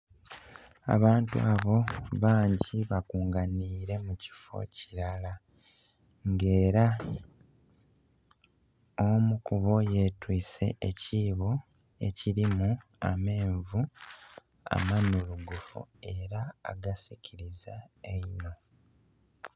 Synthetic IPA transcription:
a̰βaːntua̰βo̞βaːɲɟiβakuːŋɡaniːɾe̞muci̥fo̞̰ciɾala | ŋɡe̞ːɾa | omukuβo̞je̞ːtwiːse̞̰eciːβo̞ | e̞̰ciɾimu | a̰me̞ːɱvu | a̰manuluɡufṵe̞ɾa̰ːɡasicʰiɾizaeino̞

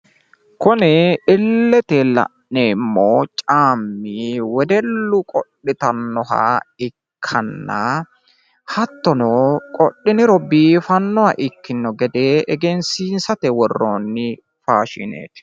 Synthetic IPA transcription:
kʊnɛɪlːɛt̪elɐ̰ʔneːmːoːt͡ʃʼaːmːiwɛd̪ɛlːʊkʼɔɗːɪt̪ɐnːɔhɐ̰ɪkʰːɐnːɐ | hɐt̪ːɔnoːkʼɔɗːɪnɪɾɔbiːfɐnːɔhɐ̰ʔɪkːɪnːɔɡɛd̪eːʔɛɡɛnsiːnsɐt̪ɛwɔrːoːnːɪ | faːʃɪ̰nḛːt̪

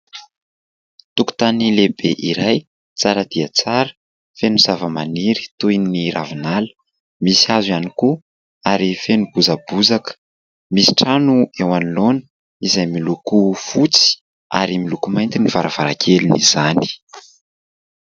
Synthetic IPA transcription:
t̪uku̥t̪anilebeʔiɾaj | t͡saɾəd̪̥iət͡saɾə̥ | fenuz̥avəmaniɾi̥t̪ujniɾavinalə̥ | misiazwaniku | aɾifenubuzab̥uzakə̥ | misi̥ʈ͡ʂanuewanilonə | izajmilukufut͡si̥ | a̰ɾimilukumajnt̪iniv̥aɾav̥aɾakʰelinḭz̥ani̥

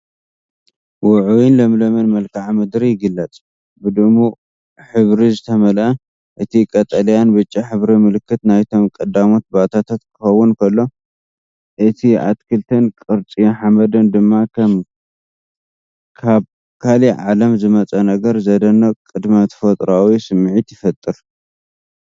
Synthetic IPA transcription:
wʊʕuwinlɐmlɐmɐnmɐlkʰaʕmɨd̪ɾijɪɡɨlːɐt͡sʼ | bɨd̪umu | ħɨβɾizɨt̪ʰɐmɐlʔɐ | ʔɨt̪ʰikʼɐt̪ʼɐljanbɨt͡ʃʼːiħɨβɾimɨlɨkːɨt̪najt̪ʰo̞mkʼɐd̪amo̞t̪̚bat̪ʰat̪ʰat̪kʰɨxɐwːʊnkʰɐlːo̞ | ʔɨt̪ʰiʔa̰t̪kʰɨlt̪ʰɐnkʼɨɾt͡sʼijonħamɐd̪ɐnd̪ɨmːakʰɐm | kʰaβ | kʰaliʕalɐmzɨmɐt͡sʼɐnɐɡɐɾzɐd̪ɐnːɐkʼɨd̪mat̪ʰɐ̥fot̪ʼɾawisɨmːʕit̪jɪfɐt̪ʼːɨɾ

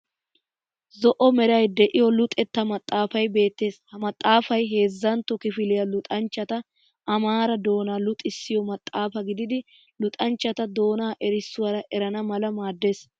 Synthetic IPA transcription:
zɔʔɔmɛɾɐjd̪ɛʔɪjɔlʊt̪ʼɛt̪ːɐmɐt̪ʼːaːfɐjbe̞ːt̪ːe̞ːshɐmɐt̪ʼːaːfɐjɦe̞ːzːɐnt̪ːɔkɪfɪlɪjɐlʊt̪ʼɐnt͡ʃːɐt̪ɐ | ɐmaːɾɐd̪o̞ːnaːlʊt̪ʼːɪsːɪjɔmɐt̪ʼːaːfɐɡɪd̪ɪd̪ɪ | lʊt̪ʼɐnt͡ʃːɐt̪ɐd̪o̞ːnaːʔɛɾɪsːʊwɐɾɐʔɛɾɐnɐmɐlɐmaːd̪ːe̞ːs

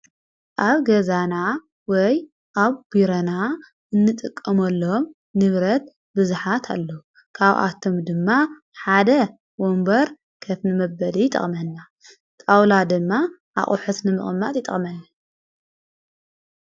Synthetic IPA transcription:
ʔaβɡɐzana | wɔj | ʔaβbiɾɐna | ʔɨnːɨt̪ʼɨkʼːɐmɐlːom | nɨβɾɐt̪̚ | bɨzuħat̪ʰa̰lːo | kʰaβʔa̰t̪ʰːomd̪ɨmːa | ħad̪ɐ | wombɐɾ | kʰɐfnɨmɐbɐlijɪt̪ʼɐ̰χʼmɐnːa | t̪ʼawlad̪ɨmːaʔa̰χʼuħut̪nɨmɨχʼmːat̪ʼjɪt̪ʼɐ̰xʼmɐnː

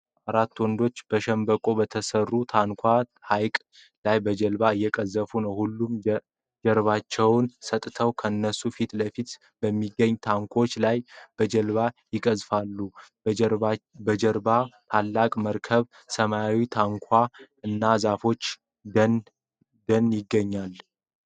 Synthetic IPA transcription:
aɾat̪ːwɔnd̪o̞t͡ʃːb̥əʃɛmbəkʼo̞bət̪ʰəsərːut̪ʰaŋkʰʷahajkʼ | lajbəd͡ʒəlbaɨjːɛkʼəzːəfunəwhulːum | d͡ʒəɾβat͡ʃːɛwnsət̪ʼt̪ʰəwkʰəɨnːəsufit̪ləfit̪ | b̥əmːiɡːəɲːt̪ʰaŋkʷʰo̞t͡ʃːlajb̥əd͡ʒəlβajɪkʼəzfalːu | bəd͡ʒəɾbat̪ʰalːakʼməɾkʰəβ | səmaawit̪ʰaŋkʷʰa | ɨnːazafo̞t͡ʃː | n | d̪ənjɪɡːəɲːal

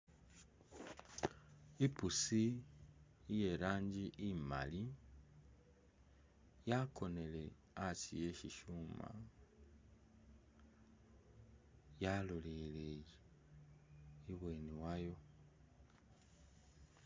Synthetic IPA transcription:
ipusiː | je̞ɾaːɲɟiʔima̰li | jakʰo̞ne̞le̞ | atije̞ʃiʃuma̰ | jalolelej | iβweːniwajo̞

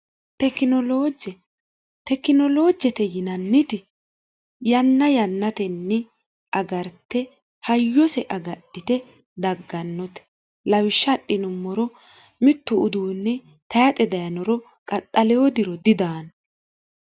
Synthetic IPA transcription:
t̪ɛkːɪnɔloːd͡ʒɛ | t̪ɛkːɪnɔlo̞ːd͡ʒɛt̪ɛjɪnɐnːɪt̪ɪ | jɐnːɐjɐnːɐt̪ɛnːɛ | ʔɐɡɐɾt̪ːɛ | hɐjːɔsɛʔɐɡɐɗːɪt̪ɛ | d̪ɐɡːɐnːɔt̪ɛ̥ | lɐwɪʃːɐɗːɪnʊmːɔɾɔ | mɪt̪ːʊʊd̪uːnːɛ | t̪ɐjɐt̪ʼɛd̪ɐjɐnɔɾɔ | kʼɐtʼːɐlɛwɔd̪ɪɾɔd̪ɪd̪aːn

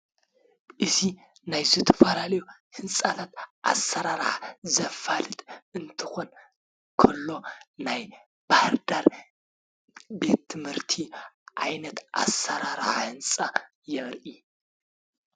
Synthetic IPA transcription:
ʔɨzi | najzɨt̪ʰɐ̥fɐlalɐjuhɨnsʼat̪ʰat̪̚ʔa̰sɐɾaɾʕa̰zɐfalɨt̪ʰɨnt̪ʰɨ̥xo̞n | kʰɐlːo̞naj | b̥ahɾd̪aɾ | be̞t̪ʰːɨmhɨɾt̪ʰiʕa̰jnɐt̪ʔa̰sɐɾaɾʕa̰hɨnsʼa | jɛʔɾʔi

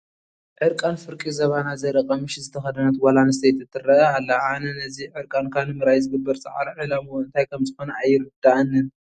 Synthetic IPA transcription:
ʕɨɾkʼanfɨɾkʼizɐβanazɐɾɐkʼɐmɨʃzɨt̪ʰɐxɐd̪ɐnat̪walanɨst̪ʰejt̪ʰɨt̪ʰːɨɾɐʔɐalːɐʕanɐnɐziʕɨɾkʼankʰanɨmɨɾajzɨɡɨbːɐɾt͡sʼɐ̰ʕa̰ɾʕɨlamuwɨnt̪ʰajkʰɐmzɨxo̞nɐajːɪɾɨd̪aʔɨnːɨn

